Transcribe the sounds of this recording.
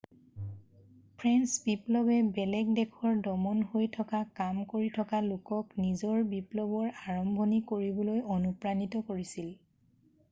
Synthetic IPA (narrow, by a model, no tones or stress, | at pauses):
pʰɹɛnsbiplɔbɛbɛlɛɡdɛkʰɔɹdɔmɔnɦojtʰɔkakamkoɹitʰɔkalʊkɔknizɔɹbiplɔbɔɹaɹɔmbʱɔnikoɹibɔlojonupɹanitɔkoɹisil